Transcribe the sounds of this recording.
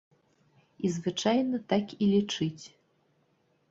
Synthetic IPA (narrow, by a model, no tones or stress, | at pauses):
izvɨt͡ʂajnɐt̪akilʲit͡ʂɨt͡sʲ